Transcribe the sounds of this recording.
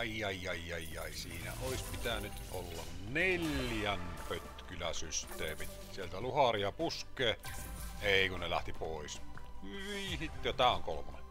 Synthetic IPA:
ijːɑijːɑijːɑjːˑɑˑisiːnæ̰ʔoˑispit̪ænyt̪ʔolːɑnnelʲjænpøt̪kylæsyst̪ˑeːmit̪sielt̪æluhɑriɑpuskˑeː | eˑikunnelæ̰ht̪ipoˑisyʋiːhit̪ːjɑt̪æːoŋkolomɑnɑ

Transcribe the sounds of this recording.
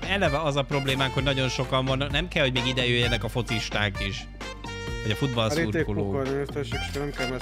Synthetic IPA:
ɛlɛvɛɒzɒpro̞bleːmaːŋkhonɒɟo̞nʃo̞kɒɱvɒnːɒknɛmkɛlho̞ɟmeːɡid̪ɛjøjːɛnɛkɒfo̞t̪siʃt̪aːkiʃ | vɒɟɒfud̪bɒlɾiuɾekolooːɒneːrt̪ɛʃɛkt͡ʃo̥knɛmkɛlnɛ

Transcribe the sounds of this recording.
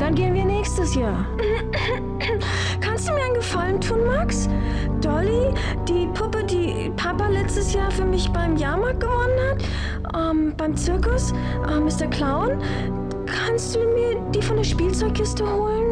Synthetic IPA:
d̥anɡeːənviːɐnɛːçstəsjaːɐ | kʰanstd̥uːmiːɐaɪnɡəfaləntʰuːnmaks | d̥ɔli | d̥iːpʰʊpədiː | pʰapalɛt͡stəsjaːɐfyːɐmɪçb̥aɪmjaːɐmaːk̚ɡ̥əvɔnənhat | ʔɛːmb̥aɪmt͡sɪɐkʊs | ʔɛːmɪstɐɐkl̥aʊn | kʰanst̚d̥uːmiːɐd̥iːfɔndeːɐʃpiːlt͡sɔʏçkʰɪstəhoːlən

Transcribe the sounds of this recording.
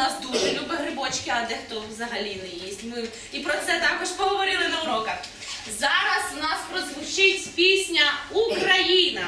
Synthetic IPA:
nɑsd̪uʒɛlʲubɪɦɾɪbɔt͡ʃkɪɐd̪ɛxt̪ɔʋzɐɦɐlʲinɛjisʲtʲmɪ | ipɾɔt̪sɛt̪ɑkɔʒpɔɦɔʋɔɾʲilˠɪnɐuɾɔkɐx | zɑɾɐsnɑspɾɔzʋʊt͡ʃɪtʲpʲisʲnʲɐukɾɐjinɐ

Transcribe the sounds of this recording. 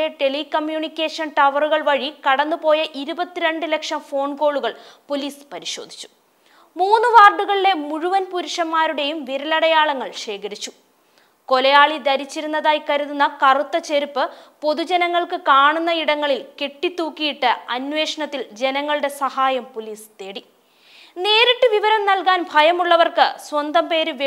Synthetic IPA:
eʈe̞likɐmjuːnikʲːe̞ːʂɐnʈɐʋɐruɣɐɭʋɐɻikɐɽɐnːupo̞ːjɐʔiɾubɐt̪ːiɾe̞ɳɖɨlekʂɐmfo̞ːɳko̞ːɭuɣɐɭpoliːspɐɾiɕo̞̰ːd̪ʱi̥t͡ɕːu̥ | muːnːɨʋaːrɖuɣɐɭile̞muɻuʋɐnpuɾuʂɐmːaːɾuɽe̞jumʋiɾɐlɐɽɐjaːɭɐŋːɐɭʂe̞ːkɐɾit͡ɕːu̥ | ko̞lɐjaːɭid̪ɐɾit͡ɕːiɾunːɐðaːjkɐɾuðunːɐkɐrut̪ːɐt͡ɕe̞ɾupːɨpo̞ðud͡ʑenɐŋːɐɭkɨkaːɳunːɐiɽɐŋːɐɭilke̞ʈːit̪ːuːkːijiʈːɨɐnʋe̞ːʂɐɳɐt̪ːild͡ʑe̞nɐŋːɐɭuɽe̞sɐhaːjɐmpoliːst̪eːɽi | ne̞ːɾiʈːɨʋiʋɐɾɐmnɐlkaːnbʱɐjɐmuɭːɐʋɐrkɨswɐnd̪ɐmpe̞ːɾɨʋ

